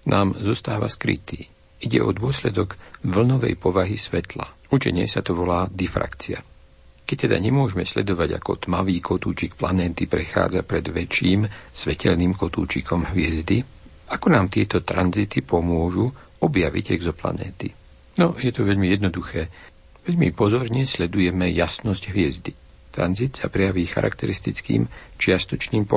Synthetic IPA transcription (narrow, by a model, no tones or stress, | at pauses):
nʔaːmzɔst̪aːʋa̰skɾḭt̪iː | iɟɛ̰ʔɔd̪ʊɔslɛd̪ɔɡʋl̩nɔʋɛ̰jpɔʋaɦisʋɛt̪la | ut͡ʃɛ̰ɲɛ̰sat̪ɔʋɔlaːd̪ɛfɾa̰kt͡sia̰ | kɛc̚t̪ɛd̪aɲɛmʊɔʒɛmɛsʎɛd̪ɔʋaɟa̰kɔ̰t̪maʋiːkɔt̪ṵːt͡ʃikplanɛːt̪ipɾɛxa̰ːd͡zapɾɛd̪ʋɛt͡ʃiːmsʋɛcɛʎniːmkɔt̪uːt͡ʃikʰɔmɦʋɪɛzd̪i | akɔnaːmt̪ɪɛt̪ɔt̪ɾanzit̪ipɔmʊɔʒu | ɔbjaʋḭɟɛɡzɔpla̰nɛ̰ːt̪i | nɔjɛt̪ɔʋɛʎmijɛd̪nɔd̪uxɛː | ʋɛʎmḭpɔzɔɾɲɛslɛd̪ujɛmɛjasnɔzɟɦʋɪɛzd̪i | t̪ɾa̰nzit̪sapɾɛjaʋiːxa̰ɾʔa̰kt̪ɛɾist̪it͡skḭːmt͡ʃɪast̪ɔt͡ʃniːmpɔ